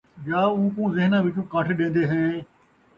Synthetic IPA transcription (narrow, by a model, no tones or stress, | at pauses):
d͡ʒaːũːkũːzɪɦnãːʋɪt͡ʃũːkaːʈʰeɗẽːnd̪eːɦẽː